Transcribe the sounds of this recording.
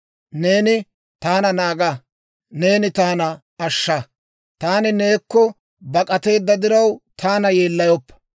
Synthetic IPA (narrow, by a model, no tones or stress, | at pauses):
ne̞ːnɪ | t̪aːnɐnaːɡɐ | ne̞ːnɪt̪aːnɐ | ɐʃːɐ | t̪aːnɪne̞ːkːɔ | bɐkʼɐt̪e̞ːd̪ːɐd̪ɪɾɐwt̪ʰaːnɐje̞ːlːɐjɔpːɐ̥